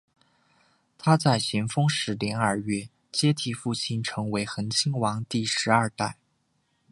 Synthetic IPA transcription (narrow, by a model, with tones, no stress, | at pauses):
t̪ʰa˥t͡sa˥˩ɪɕjɛ˧˥nfɤ˥ŋʂɻ̩˧˥ljɛ˧˥nə˞˥˧ɥɛ˥˩ | t͡ɕjɛ˥t̪ʰi˥˧fu˥˩t͡ɕʰi˥nʈ͡ʂʰɤ˧˥ŋwe˧˥ɪxə˧˥nt͡ɕʰi˥ŋwɑ˧˥ŋt̪i˥˩ʂɻ̩˧˥ɐ˞˥˧t̪a˥˩ɪ